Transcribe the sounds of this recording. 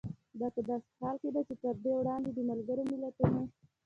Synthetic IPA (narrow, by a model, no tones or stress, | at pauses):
d̪ɑpəd̪ɑse̥hɑlked̪at͡ʃet̪əɾd̪ewɽɑnd̪ed̪əmalɡəɾomɪlat̪une